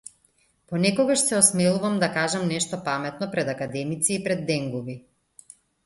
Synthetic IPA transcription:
pɔnɛkɔɡaʃsɛɔsmɛlˠuvamd̪akaʒamnɛʃt̪ɔpamɛt̪̚nɔpɾɛd̪akad̪ɛmit̪siːpɾɛd̪ːɛŋɡubi

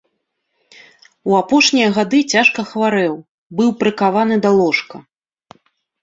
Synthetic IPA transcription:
wapɔʂnʲijɐɣad̪ɨt͡sʲaʂkɐxvaɾɛw | bɨwpɾɨkavan̪ɨd̪ɐlˠɔʂkɐ

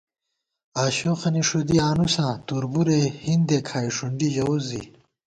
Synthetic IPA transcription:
aːɕoːxɐniʂud̪iaːnusãːt̪uɾbuɾehind̪ekʰaːiʂuɳɖiʑɐuzḭ

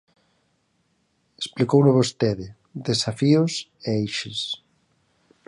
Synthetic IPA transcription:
esplikownʊβost̪eðɪ | d̪esafiʊseejʃɪs

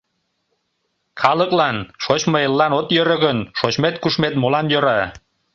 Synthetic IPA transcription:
xɑləklɑnʃot͡ɕmɤelːɑnot̪jøɾə̆ɣənʃot͡ɕmet̪kuʃmet̪̚molɑnjøɾɑ

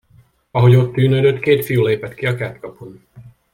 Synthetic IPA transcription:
ɒɦo̞ɟo̞t̪ːyːnød̪øt̪keːt̪fijuleːpɛt̪kiɒkæːt̪kɒpun

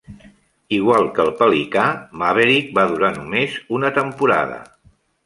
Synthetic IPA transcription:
iɣwalˠkəlˠpəlikamaβeɾik̚baðuɾanumezunət̪əmpuɾa̰ðə̰

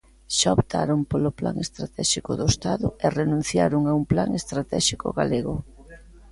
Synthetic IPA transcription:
ʃaopt̪a̰ɾompolopla̰ŋest̪ɾat̪ɛʃikʊðoest̪aðʊ̰erenũn̟θjaɾʊŋaumplaŋest̪ɾat̪ɛʃikʊ̰ɣa̰leɣʊ

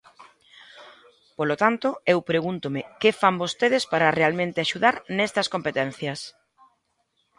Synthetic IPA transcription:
polot̪ant̪oewpɾeɣunt̪omɪkefambost̪eðɪspaɾɐrealmẽnt̪ɪaʃuðaɾnɛst̪ɐskompet̪ɛn̟θjɐs

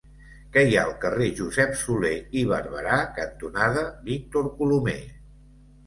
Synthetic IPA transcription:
kɛja̰əlˠkəreʒuzɛpsuleiβəɾβəɾakənt̪unaðəbik̚t̪oɾkulume

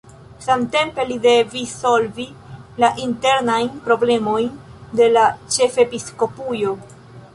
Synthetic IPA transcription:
samte̞mpe̞lide̞viso̞lvilaʔinte̞ɾnajnpɾo̞ble̞mo̞jnde̞lat͡ʃe̞fe̞pisko̞pujo̞

